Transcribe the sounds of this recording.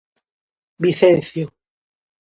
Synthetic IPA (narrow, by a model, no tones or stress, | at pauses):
biθẽnθjo